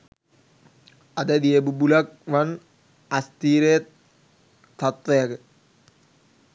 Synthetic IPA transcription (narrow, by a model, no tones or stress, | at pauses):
ɐd̪ed̪iebubulɐk̚ʋɐn | ɐst̪iːɾeː | t̪ɐt̪ʋɐjɐk